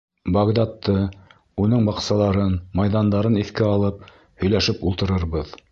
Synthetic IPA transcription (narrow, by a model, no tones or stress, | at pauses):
bɐɡd̪ɑt̪ːɤ | unɤɴbɑqsɑlˠɑɾɤnmɑjðɑnd̪ɑɾɤniθkɘɑlˠɤp̚ | hɵ̆jlæʃɘpulˠt̪ɤ̆ɾɤɾβɤð